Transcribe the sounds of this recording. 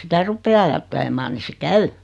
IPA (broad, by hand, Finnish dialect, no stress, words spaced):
sitæ rupːeː ɑjɑtːelemɑːn ni se kæy